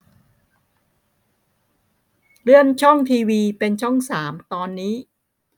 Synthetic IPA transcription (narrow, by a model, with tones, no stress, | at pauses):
ɾɯ˥˩ənt͡ɕʰɔ˥˩ŋt̪ʰiː˧wiː˧pe˧nt͡ɕʰɔ˥˩ŋsaː˩˦mt̪ɔː˧nːiː˦˥